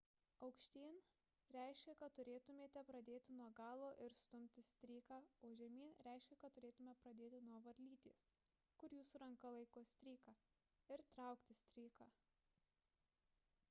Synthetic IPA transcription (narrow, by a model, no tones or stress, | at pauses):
ɐʊkʃʲt̪ʲiːn | ɾʲɛˑɪʃʲkʲɛkɐt̪̚t̪ʊɾʲeːt̪ʊmʲeːt̪ʲɛpɾɐd̪ʲeːt̪ʲɪnuɔɡɑːlˠoːʔɪɾst̪ʊmʲt̪ʲɪsʲt̪ʲɾʲiːkɑːoːʒʲɛmʲiːnɾʲɛˑɪʃʲkʲɛkɐt̪t̪ːʊɾʲeːt̪ʊmʲɛpɾɐd̪ʲeːt̪ʲɪnuɔʋɐɾʲlʲiːt̪ʲḛːs | kʊɾjuːsʊɾɐŋkɐlˠɐɪkoːsʲt̪ʲɾʲiːkɑː | ɪɾt̪ɾɑˑʊkt̪ʲɪsʲt̪ʲɾʲiːkaː